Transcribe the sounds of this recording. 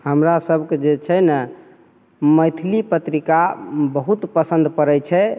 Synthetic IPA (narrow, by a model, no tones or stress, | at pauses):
həmɾasəbʱked͡ʒet͡ʃʰɛnə | məjt̪ʰilipət̪ɾikabəɦut̪pəsə̃nd̪pəɾɛt͡ʃʰɛ